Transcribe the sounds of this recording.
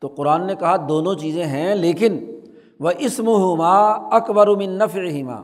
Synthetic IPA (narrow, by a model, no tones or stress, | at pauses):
t̪oːqʊɾaːnːekɐɦad̪oːnõt͡ʃiːzẽɦɛ̃leːkɪn | ʋɐʔɪsmʊɦʊmaːɐkbɐɾmɪ̃nːɐfʕɪɦɪma̰ː